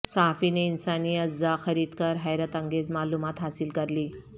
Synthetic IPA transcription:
saɦafineinsaniːət͡sd͡zaxəɾiːd̪kəɾɦajɾət̪əŋɡed͡zmalumat̪ɦasiːlkəɾliː

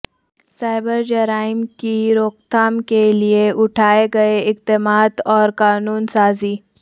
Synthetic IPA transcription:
saːɪbəɾd͡ʒɐɾaːɪmkiɾoːkt̪aːmkelieʔʊʈʰaːeɡɐeɪqt̪emaːt̪ɔːɾkaːnuːnsaːziː

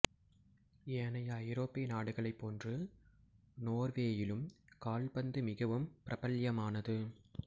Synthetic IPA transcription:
eːnɐjɐɐjɾoːpːɪnaːɽɯɣɐɭɐɪpːoːndrɯ | noːrʋeːjɪlɯmkaːlbɐnd̪ɯmɪɣɐʋɯmpɪɾʔɐbɐljɐmaːnɐðɯ

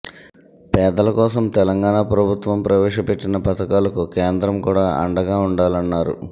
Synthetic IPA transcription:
pɛːd̪ɐlɐkɔːsɐmt̪ɛlɐŋɡaːɳapɾɐbʱut̪ʋɐmpɾɐʋɛːʂɐpe̞ʈːinɐpɐt̪ɐkaːlɐkukeːnd̪ɾɐmkuːɽaːʔɐ̰ɳɖɐɡaːuɳɖaːlɐnːaːɾṵ

